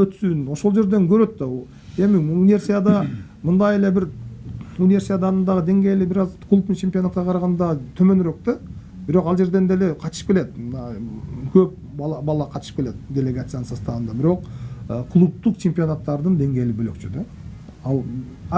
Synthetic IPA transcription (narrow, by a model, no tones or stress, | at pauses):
øt̪syno̞ʃo̞lˠd͡ʒe̞ɾd̪e̞ŋkʰøɾø̞t̪ːɑ | e̞mɪunʲivʲe̞rsʲijad̪ɑ | mɯnd̪ɑje̞le̞bɪɾ | unʲivʲe̞ɾsʲijad̪ɑnɯnd̪ɑʁəd̪e̞ŋɡʲe̞jlɪbɪɾɑzkʰlˠupnit͡ʃʰempʲio̞nat̪̚qɑqʰɑɾɑʁɑnd̪ɑt̪ʰømønɾø̞k̚t̪e | bɪɾo̞qɑlˠd͡ʒe̞ɾd̪e̞nd̪e̞le̞qʰɑt̪ʃɯ̥pke̞le̞t̪mnɑkʰøp̚ | bɑlˠɑbɑlˠɑqʰɑt̪ʃɯ̥p̚kʲe̞le̞t̪d̪ʲe̞lʲeɡat̪sɨjanənsɑst̪ɑʁɑnd̪ɑbɪɾo̞qəkʰlˠup̚t̪uqt͡ʃʰe̞mpʲio̞nat̪ːɑɾd̪ɯnd̪e̞ŋɡʲe̞jlibølø̰kt͡ʃyd̪e | ɑlˠ